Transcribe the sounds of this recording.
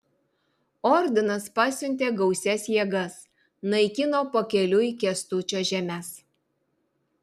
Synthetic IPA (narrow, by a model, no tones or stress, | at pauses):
ɔɾʲd̪ʲɪnɐspɑːsʲʊnʲt̪ʲeːɡɒʊsʲɛsjiɛɡɐs | nɐɪkʲɪnoːpokʲɛlʲʊiːkʲɛst̪ʊt͡ʃʲoːʒʲɛmʲæs